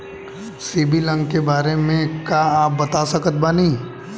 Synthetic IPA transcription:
siːbilə̃ŋɡkebaːɾemẽkaaːp̚bɐt̪asɐkət̪̚banĩ

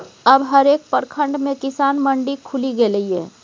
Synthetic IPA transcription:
əbɦəɾeːk̚pəɾkʰə̃ɳɖmẽkɪsaːnməɳɖikʰʊliɡeləiɦɛː

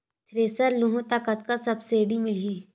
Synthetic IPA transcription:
t̪ʰɾeːsəɾlõɦõt̪aːkət̪kasɐbseːɽimɪli

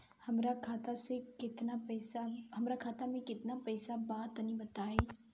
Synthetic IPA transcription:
hɐmɾakʰaːt̪asekɪt̪napɛːsaɦɐmɾakʰaːt̪amẽkɪt̪napɛːsabaːt̪nĩbɐt̪aːeː

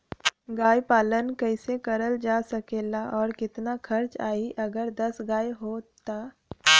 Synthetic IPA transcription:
ɡaːjpaːlənkɛɪsekɐɾəld͡ʒaːsɐkeːlaʔɔːɾkɪt̪nakʰɐɾt͡ʃaːiʔɐɡəɾd̪ɐsɡaːjɦoːt̪aː

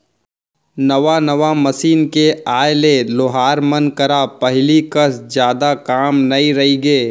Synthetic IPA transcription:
nɐʋanɐʋamɐsiːnkeaːlelʊɦaːɾmɐnkɐɾapɐɦlikɐsd͡ʒjaːd̪akaːmnɐĩɾɐɦiɡeː

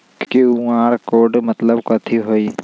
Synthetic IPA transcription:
keuaːɾkoːɾɖmət̪ləbkɐːt̪ʰiɦoːiː

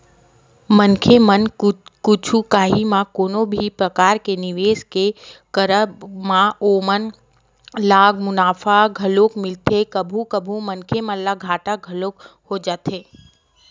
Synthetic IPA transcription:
mənkʰemənkʊt͡ʃʰukaːɦimãkoːnõbʱipɾɐkaːɾkenɪʋeːskekəɾəbmãoːmən | laːɡmʊnaːfʰaɡʱɐloːkmɪlt̪ekəbʱukəbʱumənkʰemə̃nllaɡʱaːʈaɡʱɐloːkhod͡ʒaːt̪eː

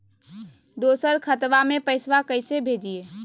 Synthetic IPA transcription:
d̪osəɾkʰət̪ʋamepəɪsʋakəɪsebʱed͡ʒije

